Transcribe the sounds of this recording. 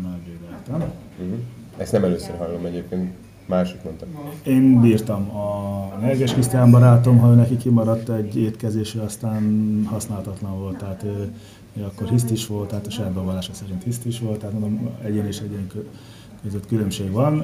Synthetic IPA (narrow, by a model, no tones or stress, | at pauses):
malbeːd̪ɛlt̪ɛm̩ | ɦ̩ɛ̰st̪nɛmɛløːsø̰rɦɒjlomɛɟeːp̚keːnt̪ | maːʃi̥k̪mɛnt̪ɛmeːnbiːrt̪ɒmɒnɛɡɛʃkist̪aːmbɒɾaːt̪o̞mɦɒøːnɛkikːimɒɾɒt̪ːɛɟːeːt̪kɛzeːʃɛɒst̪aːnhɒsnaːlɒt̪ɒt̪lɒɱvo̞lt̪ʰːɛɦaːt̪ | eɒkːorɦist̪iʃʋo̞lt̪ːɛːt̪ɒʃɛabɛvɔlaːʃɒsɛɾint̪hist̪iʃʋo̞lt̪ːɛɦat̪monomɛɟeːneːʃɛɟeːŋk | køzøt̪kylømʃeːɡʋɒn